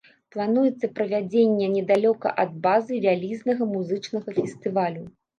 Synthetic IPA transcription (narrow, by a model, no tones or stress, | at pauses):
plˠanujɛt̪sːɐpɾɐvʲad͡zʲenʲːɛnʲɛd̪alʲɔkɐ̰ʔɐd̪̚bazɨvʲalʲiznɐɣɐmuzɨt͡ʂnɐɣɐfʲɛst̪ɨvalʲu